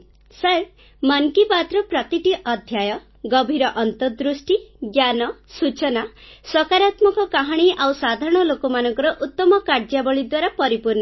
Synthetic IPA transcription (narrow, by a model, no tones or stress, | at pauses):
saɾ | maŋkipat̪ɾɔpɾɔt̪iʈiʔɔd̪ʱjajɔ | ɡɔbʱiɾɔʔɔnt̪ɔd̪ɾusʈiɡjanɔsut͡ʃɔnasɔkaɾat̪mɔkɔkaɦaɽ̃iʔawsad̪ʱaɾɔɽ̃ɔlokɔmanɔŋkɔɾɔʔut̪ːɔmɔkaɾd͡ʒabɔɭid̪waɾapɔɾipuɾnɔ